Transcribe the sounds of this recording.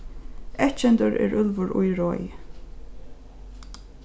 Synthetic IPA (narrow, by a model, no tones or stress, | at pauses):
ɛht̪t͡ʃɛnt̪ʊɹɛ̰ɹʏlvʊɹʊjɹɔj